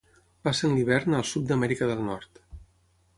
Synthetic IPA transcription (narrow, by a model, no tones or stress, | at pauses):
pasənliβ̞ɛɾnəlˠsut̪̚d̪əmɛɾikəðəlˠnɔɾt̪